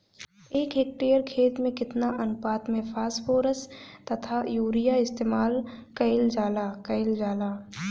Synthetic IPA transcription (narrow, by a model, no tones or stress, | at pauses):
eːkɦeːk̚ʈejəɾkʰeːt̪mẽkɪt̪naʔɐnʊpaːt̪mẽpʰaːspoːɾəst̪ɐt̪ʰajuːɾijaɪst̪eːmaːlkɐɪld͡ʒaːlakɐɪld͡ʒaːlaː